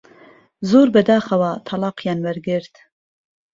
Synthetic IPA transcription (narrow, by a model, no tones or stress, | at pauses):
zoːɾbɛd̪ɑːxɐwɑt̪ʰɑlɑːqjɑːnwæɾɡɪɾt̪